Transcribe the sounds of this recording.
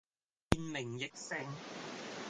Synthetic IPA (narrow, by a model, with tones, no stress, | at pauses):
i˨nmɪ˨˩ŋjɪ˨k̚sɪ˧ŋ